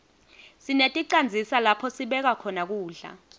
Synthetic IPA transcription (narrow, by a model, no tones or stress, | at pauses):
sinetʼiǀand͡zʱisalapʰɔsiɓɛk̬akʰɔnak̬uːɮa̰